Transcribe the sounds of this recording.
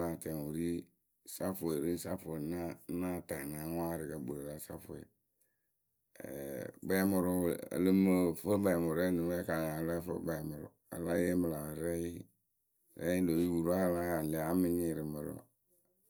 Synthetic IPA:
la˨tɛ˨ŋ˨wu˨ɾi˦ | sa˦fo˨e˨ɾi˦sa˦fo˨na˦na˦ta˨na˨˦ŋ˦a˦ɾɪ˨ɡa˨bu˨ɾe˨la˦sa̰˦fʊ˨ḛ˨ | ba˦mʊ˨ɾʊ˦˨a̰˨lə˦mə˦fo˦ba˨mʊ˨ɾɛ˦ni˨˦ɛ˦ka˨na˨la˦fə̰˦ba˨mʊ˨ɾʊ̰˨ | a̰˨la˦je˦mə˨la˨ɾɛ˦ji˦ | ɾɛ̰˦i˦lo˨ji˦wu˨ɾu˦a˦˨la˦˨lɛ˨a˨˦mi˦ɲi˨ɾɪ˨mə˨ɾo̰˦˨

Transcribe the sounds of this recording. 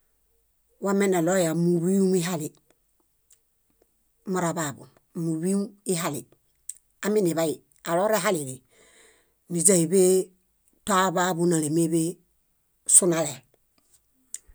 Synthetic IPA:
wa˦me˦na˨lo˦ja˨mu˨wi˦u˦mi˦ɦa˦li˨ | ma˨ɾa˨babṵ˨n | mu˨wi˦mi˦ɦa˦li˨ | a˨mi˦ni˨βaji˨ | a˨lo˦ɾe˦ɦali˨li˨ | ni˨d͡ʒa˦i˨be˦ | ta˦ba˦bu˦na˨le˨me˦be˦ | su˦nale˨l

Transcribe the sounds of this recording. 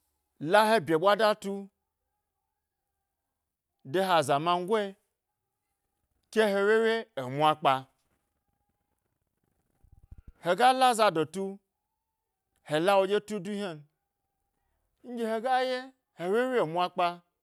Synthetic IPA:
la˦ɦe˦bʲe˨ɓʷa˦da˦tu˦ | de˦ɦa˨za˨ma˧ŋ̩˦ɡʷe˦ | kʲe˦ɦe˧we˦we˦e˨mʷ˦a˦k͡pa˧ | he˨ɡa˦la˦za˧do˨tu˦ | he˨la˦wo˧d͡ʒe˦tu˦du˦he˦n | n̩˦d͡ʒʲe˦he˨ɡa˦je˦ | he˨we˦we˦˨mʷ˦a˦k͡pa˧

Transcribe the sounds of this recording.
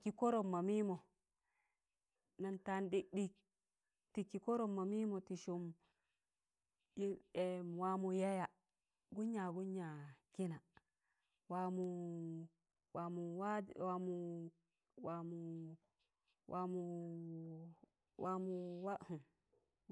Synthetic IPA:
ki˨ko˦ɾo˨mːa˨mi˦mo˨ | na˨nta˦nɗi˦ɗi˦ | ti˨ki˨ko˦ɾo˦mːa˨mi˦mo˨ti˨ʃu˦m | i˦e˨wa˦mu˨ja˦ja˨ | ɡu˦ɲːa˨ɡu˦ɲːa˨ki˦na˨ | wa˨mu˨ | wa˨mu˨wa˦wa˦mu˨ | wa˨mu˨ | wʔa˦mu˨ | wa˦mu˨wa˦hu˨m

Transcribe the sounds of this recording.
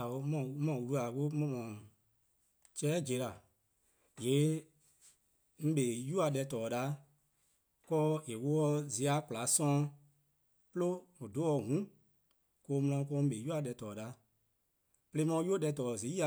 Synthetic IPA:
o˧˦mɔ̃˨˦mɔ̃˨wu˧ɾu˧˦a˨ko˦mɔ̃˧˦mɔ̃˨ | t͡ʃɛː˦d͡ʒe˨˦la˨ | je˨˦ | ŋ̩˦ɓe˨ju˦a˧ɗɛ˧tɔː˨ɗa˨˦ | kɔː˦e˨wo˦ɔ˧zi˨˧a˧˦ku˨la˨˦sɔ̃˦ | plo˦o˨do˦ɔ˧˨ɡũ˨˦ | koː˧˦mɔ̃˧ɔ̃˧˨˦k̬ɔ˧˦m̩˦ɓe˨ju˦a˧˨ɗɛ˧˦tɔː˨ɗa˨˦ | ple˧˦mɔ̃˧˦ju˦o˦ɗɛ˧˨tɔː˨zi˨˦i˦a˨

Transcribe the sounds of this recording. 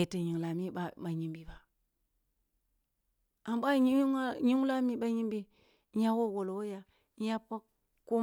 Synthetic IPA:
e˨ta˨ɲi˨ŋla˨mi˦a˦ɓa˨ɲi˦mbi˦ba˨ | a˨mba˦ɲi˦a˦ɲi˦ŋ˦la˦mi˦ɓa˦ɲi˦mbi˦ | ja˦wo˦˨ɡo˨lo˨wo˦ja˦ | ja˦pa˦k | kːo˦

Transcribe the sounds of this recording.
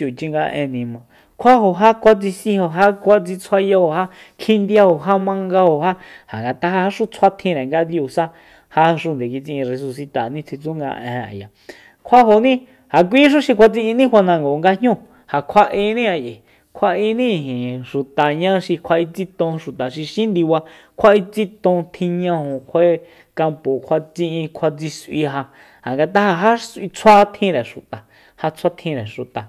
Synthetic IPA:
u˨t͡ʃi˧ŋɡa˧ʔḛ̃˧nĩ˧mõ˨ | kʷʰa˦ɦo˧ɦa˦kʷa˦t͡si˧sĩ˧o˧ɦa˦kʷa˦t͡si˧t͡sʰwa˦ja˧o˨ha˦ | kʰĩ˦nd̪ja˧ho˨ɦa˦mã˧ŋɡa˧ho˨ɦa˦ha˨ŋɡa˨t̪a˦ha˧ha˦ʂu˦t͡sʰwa˦t̪ʰĩ˧ɾe˨ŋɡa˧d̪ju˧sa˦ | ha˦ʂu˧nd̪e˨k̬i˧t͡si˧ĩ˧re˧su˧si˧t̪a˨nĩ˦t͡sʰi˧t͡su˦ŋɡa̰˧ʔḛ̃˨˧a̰˨ja˨ | kʷʰa˦ɦo˨nĩ˦ | ha˨k̬ʷi˦ʃ̬ũ˦ʃi˧kʷa˧t͡sĩ˧ʔĩ˧nĩ˦wʷa˧nã˧ŋɡo˨ŋɡa˧ɲ̥ɲũ˦˨ | ha˨kʷʰa˧ʔẽ˧nĩ˦a˧je˨ | kʷʰa˧ʔĩ˧nĩ˦˧˨ɦĩ˨ʃu˨t̪a˨ɲã˦ʃi˧kʷʰa˧i˧t͡si˦t̪õ˧ʃu˨t̪a˨ʃi˧ʃĩ˦nd̪i˧wa˧kʰʷa˦i˧t͡si˦t̪õ˧t̪ʰĩ˧ɲã˧hõ˨kʷʰe˦ | ka˧mpo˨kʷʰa˧t͡sĩ˧ʔĩ˧kʷʰa˧t͡si˧sʔḭ˧ɦa˧ | ha˨ŋɡa˧t̪̬a˦ha˧ɦa˦sʔi˧t͡sʰa˦t̪ʰĩ˧ɾɛ˨ʃu˨t̪a˨ | ha˧t͡sʰa˦t̪ʰĩ˧ɾe˨ʃu˨t̪a˨

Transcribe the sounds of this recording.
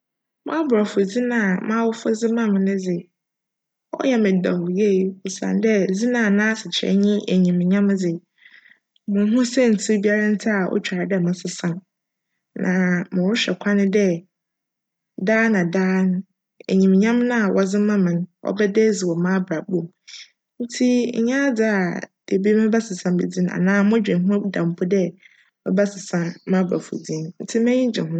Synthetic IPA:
mãː˦bɾa˨fʊ˨d͡zi˦nã˨mãː˦wʊ˦fʊ˦d͡zɪ˦mã˦˨m˨nɪ̃˦d͡zɪ˨ | ɔ̰˦jɛ˦mɪ̃˨da˨hʊ˨je˦˨ʊ˨sã̰˨n˦dɛ˦d͡zi˦nãː˨nãː˦sɪ˨t͡ɕʰɪ˨ɾɛ̰˦ɲĩ˦ʔæ˨ɲĩ˨mɪ̃˨ɲã˦m˦d͡zɪ˨ | mʊ̃˨˦ɦʊ̃˦sɛ˦˨n̩˨tʰi˦bi˦a˦ɾa˦n̩˦tʰɪ˦a˨ʔɔ̰˦t͡ɕᶣa˨dɛ˦˨mã˨sɪ˦sã˨n | nã˨mɪ̃˨wʊ˦ɕᶣɛ˨kʷʰã˦nɪ̃˦dɛ˦ | daː˦nã˨daː˦nʊ̃˦ | ḛ˨ɲĩ˨m˨ɲã˦mnã˦a˨wʔɔ˨d͡zɪ̃˦mã˦mɪ̃˨ñ˦wɔ̰˦bɛ˦dɛ˦d͡zɪ˨wɔ˨mã˦bɾa˨bõ˦˨m | n̩˦tʰḭ˦˨ɲã˦d͡zɪ˦a˨de˨bi˦mɛ̃˦ba˦sɪ˨sã˨m˦bḛ˨d͡zĩ˦n˦a̰˨nãː˦mʊ̃˦d͡ʑᶣɪ̃˨ɦʊ̃˦dã˨m̩˨pʰʊ˦dɛ˦ | mɔ̰˦ba˦sɪ˨sã˦n˦mã˦ba̰˨fṵ˨d͡zĩ˦nn̩˦tʰi˦mɛ̃˦ɲĩ˦d͡ʑɪ̃˨ɦʊ̃˦

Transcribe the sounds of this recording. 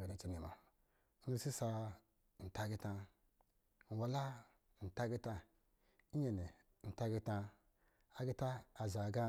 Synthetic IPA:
e˨ɾi˨t͡ʃi˨ni˨ma̰˨˦ | nu˦si˦sa˧˨ | n̩˨ta˦ɡi˦tã˧ | n̩˨wa˨la˦˨ | n̩˨ta˦ɡi˦ta˦ | i˦ɲe˨ne˨ | n̩˨ta˦ɡi˦tã˧ | a˨ɡi˦ta˦a˨za˨ɡa˦

